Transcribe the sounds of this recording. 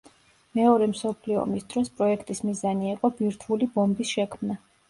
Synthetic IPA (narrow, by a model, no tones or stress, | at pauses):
mɛɔɾɛmsɔpʰliɔ̰misd̪ɾɔspʼɾɔɛkʰt̪ʼismizaniiqʼɔbiɾt̪ʰulibɔmbisʃɛkʰmna